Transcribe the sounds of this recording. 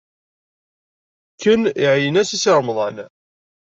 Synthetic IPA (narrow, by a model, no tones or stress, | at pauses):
kːəniʕjənæsisəɾˤmðˤɑn